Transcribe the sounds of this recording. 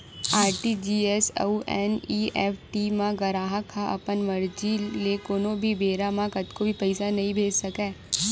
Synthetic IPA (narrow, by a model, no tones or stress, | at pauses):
aːɾʈid͡ʒiːɛːso̰ɛːniːɛːfʈimãɡɐɾaːɦãkʰaʔɐ̰pənʋɐɾd͡ʒilekoːnõbʱibeːɾamãkɐt̪kobʱipɛɪsanɐɦĩbʱeːd͡ʒsɐkɛː